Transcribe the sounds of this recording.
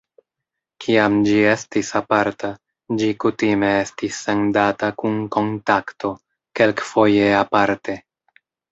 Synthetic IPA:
kʰiamd͡ʒie̞stisapaɾtʰa | d͡ʒikutime̞e̞stisːe̞ndatakunko̞ntakto̞ | ke̞lkfo̞je̞apaɾte̞

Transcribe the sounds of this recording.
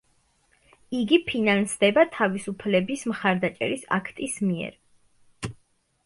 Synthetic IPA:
iɡipʰinansd̪ɛbat̪ʰavisupʰlɛbismχaɾd̪at͡ʃʼɛ̰ɾisa̰kʰt̪ʼismiɛ̰ɾ

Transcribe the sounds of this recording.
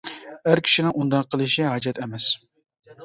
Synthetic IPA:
æɾkʲʰi̥ʃinɪŋund̪ɑqʰːəlˠɨʃiɦɑd͡ʒɛt̪ɛmɛs

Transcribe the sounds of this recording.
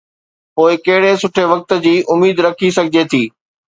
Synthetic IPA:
poːɪkɐɦɪɽesʊʈʰeʋɐk̚t̪̆d͡ʑiːʔʊmiːd̪ɾɐkʰisɐɡʱɪd͡ʑet̪ʰiː

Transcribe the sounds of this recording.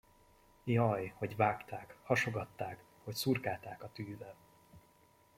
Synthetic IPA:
jɒjho̞ɟvaːkt̪aːkhɒʃo̞ɡɒt̪ːaːk | ho̞csurkaːlt̪aːkɒt̪yːvɛl

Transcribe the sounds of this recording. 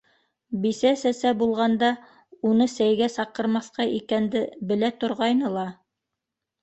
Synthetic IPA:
bisæsæsæbulˠʁɑnd̪ɑ | unɤsæjɡæsɑqɤ̆ɾmɑθqɑʔikænd̪ɘbɘ̆læt̪ŏɾʁɑjnɤlˠɑ

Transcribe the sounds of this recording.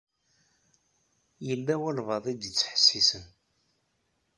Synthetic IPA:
jəlːæwælvɑðˤid̪ət͡sːħə̥sːisən

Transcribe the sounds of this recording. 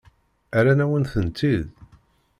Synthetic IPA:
æɾænæwənθənt̪ːið

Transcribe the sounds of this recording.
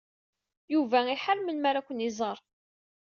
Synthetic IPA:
juvæiħəɾmənmaɾakʷːənizˤəɾˤ

